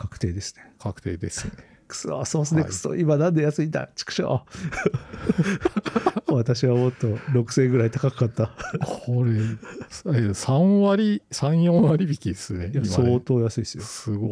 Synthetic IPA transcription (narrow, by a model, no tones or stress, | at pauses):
kʰakɯ̟̥t̪e̞ːd̪e̞sɨ̥ne̞kʰakɯ̟̥t̪ḛːd̪ese | kɯ̥so̰so̞ːesɨnekɯ̥so̰ʔimanãnd̪e̞jasɨit̪a̰t͡ɕi̥kɯ̥ɕo̰ː | βat̪aɕiβamo̞t̪ːo̞ɾo̞kɯ̟̥sẽ̞ŋɡɯ̟ɾait̪akakɯkat̪ːakʰoɾe | esãwaɾʲisãɰ̃jõβaɾʲibʲikʲid̪esɨnejamso̞ːt̪o̞ːjasɨisɨjosɨɡo